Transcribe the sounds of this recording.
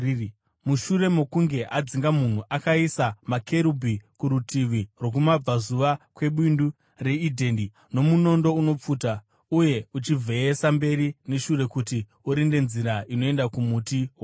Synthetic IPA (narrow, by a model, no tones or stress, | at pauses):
muʃuɾe̞mo̞kuŋɡe̞ʔad͡ziŋɡamun̤uʔakaisamakʰe̞ɾubʱikuɾutʰiʋirwo̞k̬umab͡vazuʋakwe̞ɓwindu | re̞idʱe̞ndi | no̞muno̞ndo̞uno̞p͡fuːta | uje̞ut͡ʃib͡vʱe̞esambe̞ɾine̞ʃure̞kuti | uɾinde̞nziɾaino̞e̞ndakumutiɦwo